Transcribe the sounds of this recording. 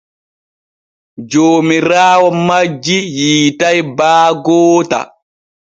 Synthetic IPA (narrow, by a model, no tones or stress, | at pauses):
d͡ʒoːmiɾaːwɔmad͡ʒːijiːtajbaːɡɔːta̰